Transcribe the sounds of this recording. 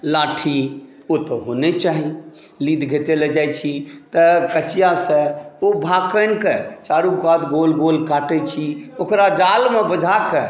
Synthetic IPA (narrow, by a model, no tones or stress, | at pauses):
laʈʰi | ot̪əɦonet͡ʃaɦi | lid̪ʱɡʱet̪eled͡ʒajt͡ʃʰit̪əkət͡ʃijasə̃obʱakənket͡ʃaɾũkat̪ɡolɡolkaʈɛt͡ʃʰiokɾad͡ʒalmebəd͡ʒʱake